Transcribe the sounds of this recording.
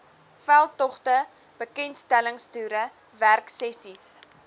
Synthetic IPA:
fælˠtɔχtə | b̥əkɛntstæləŋstyːɾə | værksɛsis

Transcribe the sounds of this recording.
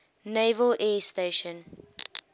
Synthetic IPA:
neːvəlɛːsteːʃə̃n

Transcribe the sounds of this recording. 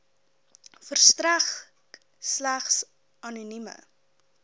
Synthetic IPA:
fərstræχ | slæχs | ɐnunimə̰

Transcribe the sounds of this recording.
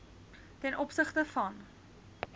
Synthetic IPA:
tɛnʔɔpsəχtəfɐn

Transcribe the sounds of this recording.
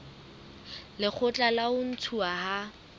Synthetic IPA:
lɪk͡xʰʊt͡ɬʼalaʊn̩t͡sʰuaha

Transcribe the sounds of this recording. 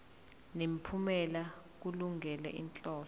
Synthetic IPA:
nem̩pʰumɛla | k̬uluŋɛlɛ̰ʔḭnt͡ɬʼɔː

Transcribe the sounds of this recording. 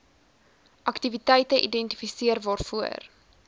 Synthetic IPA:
ʔɐktivitɛjtəʔidɛnti̥fisiərvɑːrfuər

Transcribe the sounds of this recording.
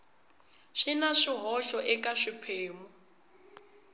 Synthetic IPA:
ʃinaʂiɦɔʃɔʔɪkʼaʂipʰeːmɔ

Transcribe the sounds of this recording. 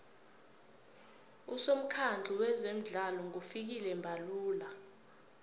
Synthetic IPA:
usom̩kʰand͡ɮʱiwɛzem̩ɮalɔŋufik̬ilɛmbʱaluːla

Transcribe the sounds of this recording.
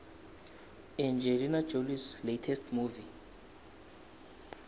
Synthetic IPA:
ɛ̃nd͡ʒɛlinad͡ʒolisletʰɛstʰmuvi

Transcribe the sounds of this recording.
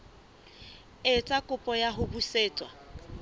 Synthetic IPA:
ɪt͡sʼakʼʊpʼɔjaɦʊbuseːt͡sʼwa

